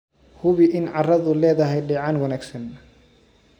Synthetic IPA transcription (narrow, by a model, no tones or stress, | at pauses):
hʊβɪʔɪnʕɑrɐðʊlɛːðɐɦɛjɖɛːʕɑnwɐnæːɡsɐn